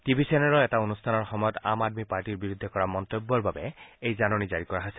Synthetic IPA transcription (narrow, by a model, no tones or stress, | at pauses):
tibʱisenɛɹɔɛtaonustʰanɔɹxɔmɔjɔta̰madmipaɹtiɹbiɹud̪ʱːɛkɔɹamɔnt̪obːɔɹbabɛejzanɔnizaɹikɔɹaɦojsɛ